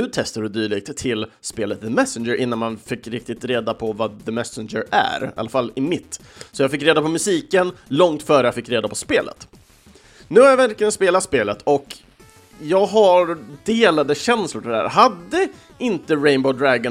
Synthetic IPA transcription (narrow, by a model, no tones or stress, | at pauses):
ɵt̪ʰɛst̪ad̪ɵd̪yːɭɪɡ̚t̪ʰːɪlspeːlət̪̚ðəmɛsənd͡ʒəɾʔɪnːanmanfɪkːɾɪk̚t̪ɪt̪ɾeːd̪apʰɔvaðəmɛsənd͡ʒəɾʔæ̰ɾa̰lːafalːɪmɪt̪ː | sɔjaɡfɪkːɾeːd̪apɔmɵsiːkənlɔŋt̪fœːɾəjafɪkːɾeːd̪apʰɔspeːlʔə̰t̪ | nʉ̟ːhaɾjavæɾklɪjənspeːlat̪speːlət̪ʰɔk | jɑːɡɦaɾd̪eːlad̪əɕɛnslʊʈʰɪdæ̰ːɾɦad̪ːə | ɪnt̪əɾɛɪnboʊd̪ɾæɡə